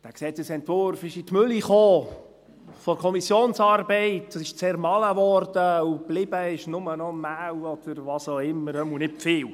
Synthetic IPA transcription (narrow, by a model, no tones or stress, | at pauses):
d̥æːksɛːtəsɛntvʊɾfɪʃitmʏliχoː | fɔɾkʰɔmisjoːnsɑːɾbɛɪtɑsɪʃt͡seːɾmɑləvɔːɾd̥əub̥lɪb̥əɪʃnʊmənɔnmæːwɔd̥̪əɾvɑːsoʊɪmːəɾəmunɪtfɪːw